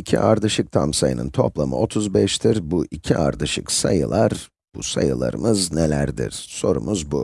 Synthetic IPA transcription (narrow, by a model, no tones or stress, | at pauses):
icʰiʔaɾd̪ɯʃɯk̚t̪ʰamsajɯnɯnt̪ʰo̞plˠamɯo̞t̪ʰuzbɛʃt̪ʰiɾbuʔicʰiʔaɾd̪ɯʃɯksajɯlˠaɾ | b̥usajɯlˠa̰ɾɯmɯznelʲæɾd̪ḭɾ̥so̞ɾumuzbu